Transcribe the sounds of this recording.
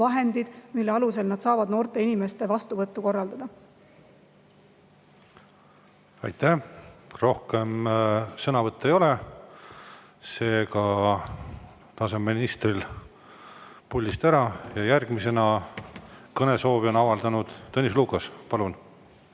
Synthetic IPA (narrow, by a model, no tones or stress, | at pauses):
ɑɦe̞nd̪id̪̥milːeɑluse̞lnɑd̪̥sɑːvɑd̪̥no̞ːrt̪e̞inime̞st̪e̞vɑst̪uvɤt̪ːˑuko̞rːɑld̪ɑd̪ɑ | ɑjt̪ːˑæhro̞hke̞msɤnɑvɤt̪ˑːe̞jo̞le | se̞ːkɑ | t̪ɑse̞minist̪ril | pulʲːist̪æɾɑjɑjærɡ̥mise̞nɑ | kɤne̞so̞ːbio̞nɑvɑld̪ɑnud̪̥ːɤnis̬luːkˑɑspɑlun